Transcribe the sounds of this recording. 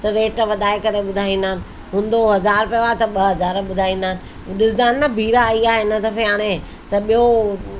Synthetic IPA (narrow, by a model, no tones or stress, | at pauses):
t̪ɐɾeːʈʋɐd̪ʱaːekɐɾeɓʊd̪ʱaːĩːn̆d̪aːnɪ̆ | ɦʊ̃ːnd̪oɦɐzaːɾpɐʋat̪ɐɓɐɦɐzaːɾɓʊd̪ʱaːĩːn̆d̪aːnɪ̆ | ɗɪsd̪aːnːabʱiːɾaiaːɦeɪnət̪ɐfeaːɽ̃e | t̪ɐɓijo